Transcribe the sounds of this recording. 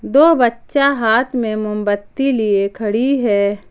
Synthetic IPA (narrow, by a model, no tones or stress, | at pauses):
d̪oːbɐtːʃaɦaːt̪ʰmẽmʊmbət̪ːiliekʰɐɽiɦɛː